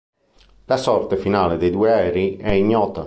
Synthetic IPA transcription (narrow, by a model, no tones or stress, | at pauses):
lasɔrt̪efinaːled̪ejd̪uːeɛːɾiɛiɲːɔːt̪a